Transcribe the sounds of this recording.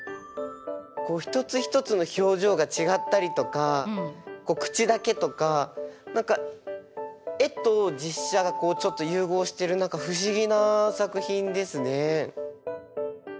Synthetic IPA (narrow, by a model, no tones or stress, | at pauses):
ko̞ːçi̥t̪o̞t͡sɨçi̥t̪o̞t͡sɨno̞ço̞ːʑo̞ːɡat͡ɕiɡat̪ːaɾʲit̪o̞ka | ko̞ːkɯ̟̥t͡ɕid̪ake̞t̪o̞kanãŋka | e̞t̪o̞d͡ʑiɕːaɡako̞ːt͡ɕo̞t̪ːo̞jɯ̟ːɡo̞ːɕi̥t̪e̞ɾɯ̟nãŋkaɸɯ̟ɕ̬iɡʲinasakɯ̟çĩnd̪e̞sɨne̞